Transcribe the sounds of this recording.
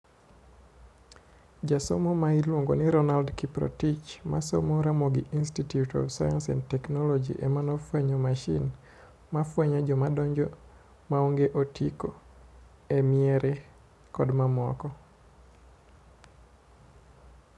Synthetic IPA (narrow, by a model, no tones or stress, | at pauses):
d͡ʒaso̰momailwoŋɡoniɾɔnaldkipɾɔ̰tit͡ʃma̰so̰moɾamoɡiʔinstitjutɔ̰vsajansɛ̰ntɛknɔlɔd͡ʒḭʔɛmanɔfwɛɲɔmaʃḭn | mafwɛɲad͡ʒɔmadɔɲd͡ʒɔ | maoŋɡeʔotʰiko | ɛmiɛɾʔɛ | kɔdmamɔ̰kɔ